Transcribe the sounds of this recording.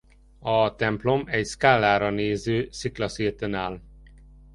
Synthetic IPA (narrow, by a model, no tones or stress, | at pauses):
ɒt̪ɛmplo̞mɛcskaːlːaːɾɒneːzøːsiklɒsiːt̪ønaːl